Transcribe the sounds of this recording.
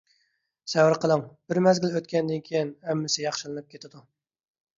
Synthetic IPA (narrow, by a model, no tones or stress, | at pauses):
sɛwɪɾqʰəlˠəŋb̥ɪɾmɛzɡʲɪlˠøt̪kʲʰɛnd̪ɪnkʲʰejinɛmːɪsɪjɑχʃɨlˠɨnɨp̚kʲʰet̪ʰɪd̪u